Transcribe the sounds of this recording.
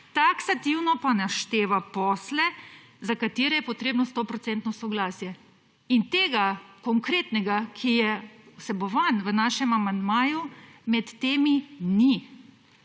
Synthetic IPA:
t̪aksat̪iwnɔpanaʃt̪eːʋapɔslɛ | zakat̪eːɾɛjɛpɔt̪ɾeːbnɔst̪opɾɔt̪sɛnt̪nɔsɔɡlaːsjɛ | int̪eːɡakɔŋkɾeːt̪nɛɡakʰijɛwsɛbɔʋanʋənaːʃɛmamand̪maːjumɛt̪ːeːmini

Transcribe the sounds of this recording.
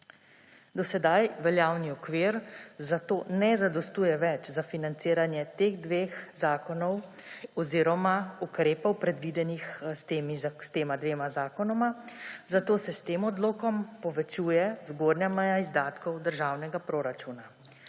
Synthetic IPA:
d̪ɔsɛd̪ajʋɛljaːwniɔkʋiːɾzat̪oːnɛzad̪ɔst̪uːjɛʋɛt͡ʃzafinant̪siːɾanjɛt̪eːɣd̪ʋeːxz̥aːkɔnɔw | ɔziːɾɔmaukɾeːpɔwpɾɛd̪ʋid̪ɛnixst̪eːmist̪eːmad̪ʋeːmazaːkɔnɔmazat̪oːsɛst̪eːmɔd̪loːkɔmpɔʋɛt͡ʃuːjɛzɡoːd̪njamɛjaizd̪aːt̪kɔwd̪əɾʒaːwnɛɡapɾoːɾat͡ʃuːna

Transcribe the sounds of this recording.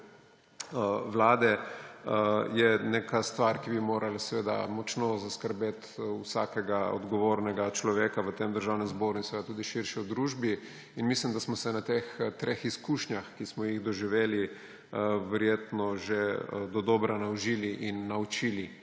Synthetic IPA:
ʋlaːd̪ɛ | jɛneːkast̪ʋaɾkibimoːɾalasɛʋeːd̪a̰mɔt͡ʃnozaskəɾbeːt̪usaːkɛɡaɔ̰d̪ɡɔʋoːɾnɛɡat͡ʃlɔʋeːkaʋət̪emd̪əɾʒawnɛmzboːɾuinsɛʋeːd̪at̪uːd̪iʃiɾʃiɔd̪ɾuːʒbi | inmislimd̪asmɔsɛnat̪ext̪ɾeːxiskuːʃnjaxkismɔjiɣd̪ɔʒiʋeːli | ʋɛɾjeːt̪nɔʒed̪ɔd̪ɔbɾanawʒiːliʔinːaut͡ʃili

